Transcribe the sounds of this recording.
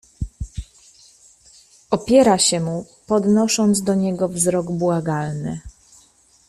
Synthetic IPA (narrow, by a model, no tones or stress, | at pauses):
ʔɔpʲjɛɾaɕɛmu | pɔd̪nɔʂɔnd̪zd̪ɔɲɛɡɔvzɾɔɡbwaɡalnɘ